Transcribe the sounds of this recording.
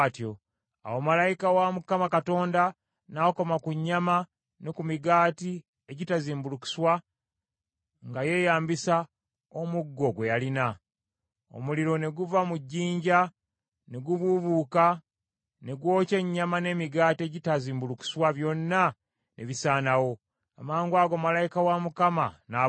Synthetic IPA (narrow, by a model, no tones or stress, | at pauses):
tjo̞ | a̰womalajikawamukːamakato̞ːnda | naːko̞makuɲːama | nekumiɡaːti | eɟitaziːmbuluki̥swa | ŋɡaje̞jaːmbisa | o̞muɡːo̞ɡwe̞jalina | o̰muliɾo̞ne̞ɡuvamuɟːiːɲɟa | ne̞ɡuβuβuːka | ne̞ɡwo̞ːce̞ɲːamane̞ːmiɡaːtie̞ɟitaziːmbuluki̥swaβjo̞nːa | nʔḛβisaːnawo̞ | a̰maːŋɡwaːɡo̞malajikawamukamana